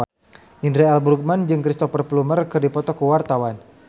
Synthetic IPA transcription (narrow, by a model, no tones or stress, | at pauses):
indɾɛɛlbɾuk̚mand͡ʒɨŋkɾist̪ɔfərplumərkɨrdipɔt̪ɔkuwart̪awan